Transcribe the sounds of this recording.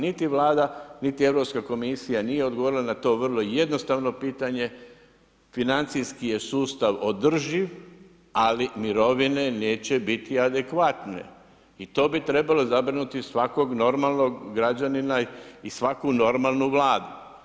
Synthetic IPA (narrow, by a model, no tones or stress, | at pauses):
nit̪iʋlaːd̪anit̪ie̞ʋɾo̞pskako̞misijanije̞o̞d̪ɡoʋo̞ɾilˠanat̪o̞ːʋr̩lˠo̞je̞d̪no̞st̪aʋno̞piːt̪aɲe̞ | finant̪sijskije̞suːst̪aʋo̞d̪r̩ʒiʋ | alimiɾo̞ʋine̞neːt͡ɕe̞bit̪iad̪ekʋat̪ne̞̰ | it̪o̞ːbit̪ɾe̞balo̞zabɾinut̪isʋako̞ɡno̞ɾmalˠnoɡɡɾad͡ʑaninaisʋakuno̞ɾmalˠnuʋlaːd̪u